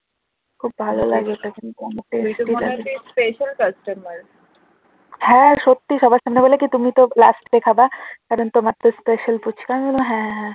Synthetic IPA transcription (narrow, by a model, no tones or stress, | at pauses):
kʰub̚bʱalolaɡeot̪akint̪uamʈesʈila̰ɡeispeʃəlkɐsʈɐmɐɾ | hɛ̃ʃot̪ːiʃɔbaʃamnebolekit̪umit̪ola̰sʈd̪ekʰabakaɾɔnt̪omat̪ːɾospeʃəlput͡ʃʰkamioloɦɛ̃ɦɛ̃